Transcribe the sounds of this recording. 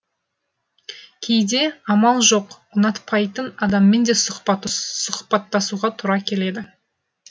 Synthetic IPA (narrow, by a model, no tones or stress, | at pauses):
kʲʰe̞jd̪e̞ɑmɑlˠʒo̞q | ʊnɑt̪pʰɑjt̪ənɑd̪ɑmːe̞nd̪e̞s | sʊχpɑt̪ːɑsuʁɑt̪ʰʊɾɑkʲʰe̞le̞d̪ɪ